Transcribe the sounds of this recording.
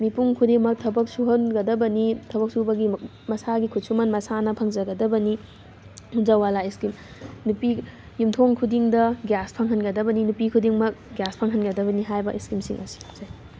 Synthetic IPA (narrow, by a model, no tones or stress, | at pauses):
mipuŋkʰudiŋmɐk̚tʰɐbɐk̚suɦɐnɡɐdɐbɐnitʰɐbɐk̚subɐɡi | mɐsaɡikʰut̚sumɐnmɐsanɐpʰɐŋd͡ʒɐɡɐdɐbɐni | hunzawalaiskim | nupi | jumtʰoŋkʰudiŋdɐɡjaspʰɐŋɦɐnɡɐdɐbɐninupikʰudiŋmɐk̚ɡjaspʰɐŋɦɐnɡɐdɐbɐniɦajbɐʔiskimsḭŋʔɐsi̥zaj